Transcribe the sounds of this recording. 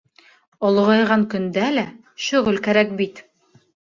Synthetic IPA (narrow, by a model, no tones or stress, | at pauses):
ŏl̆ˠʁɑjʁɑŋkɵ̆nd̪ælæ | ʃɵ̆ʁɵlkæɾæk̚bit̪